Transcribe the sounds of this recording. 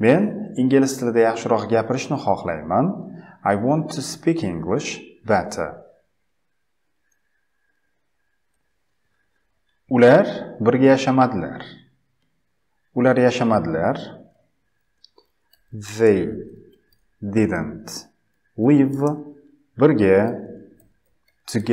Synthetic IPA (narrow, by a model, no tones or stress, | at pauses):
me̞nɪŋɡʲɪlɪst̪ʰɪlɪd̪ajɑχʃɪɾɒqɡʲapʰɪɾɪʃnɪχɒqla̰jmanajwɒ̃nt̪ʰːuspʰikʰɪ̃ŋɡlɪʃbat̪ʰə̰ | ʊlaɾbɪɾɡʲajaʃamad̪ɪla̰ɾ | ʊlaɾjaʃamad̪ɪlaɾ | vej | d̪ɪd̪ɨnt | wiv | bɪɾɡʲa | t̪ʰɨɡʲ